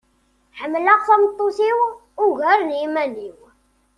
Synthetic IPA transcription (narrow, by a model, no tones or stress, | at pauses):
ħəmːlaʁθæmt̪ˤːosiw | ʊʝæɾnimæniw